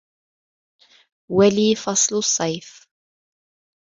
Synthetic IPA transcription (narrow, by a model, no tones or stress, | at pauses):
waliːfɑsˤlʊsˤːɑjf